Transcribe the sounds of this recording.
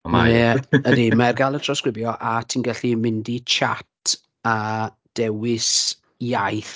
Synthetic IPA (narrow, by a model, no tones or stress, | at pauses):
manɛədimɛrɡalˠətʰraskrɪbjɔʔatʰiːnɡɛɬimɪndit͡ʃʰa̰tʰ | a | d̥ɛwɪs | jajθ